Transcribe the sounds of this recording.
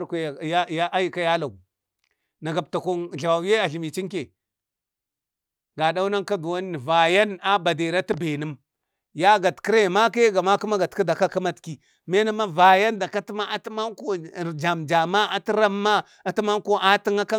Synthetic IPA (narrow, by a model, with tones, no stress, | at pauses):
ɾkʷja˦ja˦ʔa˦ji˨ka˦ja˦la˨u˨ | na˨ɡa˨b̚ta˨ko˦nɮa˨wa˨we˦a˨ɬi˨mi˨t͡ʃi˦ŋke˨ | ɡa˨da˦u˦na˦ŋka˦du˨wa˦n˦i˨va˨ja˦na˦ba˨de˨ɾa˦tu˦be˨nə˦m | ja˦ɡa˨tki˦ɾe˦˨ma˦ka˦ɡa˨ma˦ku˦ma˦ɡa˨tka˦da˨ka˦ka˦ma˦tki˨ | me˦na˦ma˦va˨ja˦nda˨ka˦ti˦ma˦a˦˨tma˦ŋko˦˨ɾd͡ʒa˨md͡ʒa˨ma˦a˨ti˦ɾa˦mːa˦ | a˨ti˦ma˦ŋ˦ko˦a˦ti˦ŋa˦ka˦